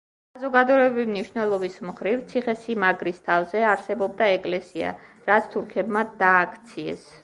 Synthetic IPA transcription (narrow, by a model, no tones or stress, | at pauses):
sazɔɡad̪ɔɛbimniʃnɛlˠɔbismχɾivt̪sʰiχɛsimaɡɾist̪ʰavzɛaɾsɛbɔb̚d̪aɛkʼlɛsia̰ | ɾat̪sʰt̪ʰuɾkʰɛbmad̪aːkʰt̪sʰiɛ̰s